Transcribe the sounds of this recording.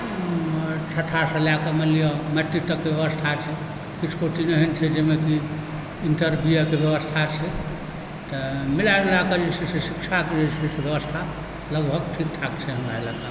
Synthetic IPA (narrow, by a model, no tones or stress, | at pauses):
t͡ʃʰəʈ̪ʰasə̃lakamelijɔməʈ̪ːit̪ːəkːebjəβəst̪ʰat͡ʃʰɛ | kit͡ʃʰkoʈinəɦɛnt͡ʃʰɛd͡ʒemeki | inʈəɾbʱijəkebjebəst̪ʰat͡ʃʰɛ | t̪əmilaɾlakəd͡ʒesisesikt͡ʃʰaked͡ʒesisebjəβəst̪ʰa | ləɡbʱəɡʈʰik̚ʈ̪ʰakt͡ʃʰɛɦəmɾaelaka